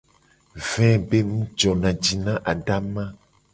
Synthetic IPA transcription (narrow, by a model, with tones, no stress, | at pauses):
vɛ̃˦be˦mũ˦d͡ʒɔ˨nã˨d͡ʒi˨nã˦ʔa˨ɖa˦mã˦